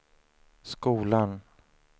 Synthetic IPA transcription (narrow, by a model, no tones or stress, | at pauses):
skuːlan